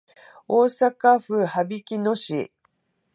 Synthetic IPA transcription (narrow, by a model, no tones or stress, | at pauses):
oːsakaɸɯ̟habʲikʲinoɕḭ